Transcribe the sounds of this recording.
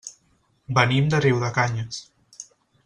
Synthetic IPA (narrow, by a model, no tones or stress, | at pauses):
bənimd̪əriwðəkaɲəs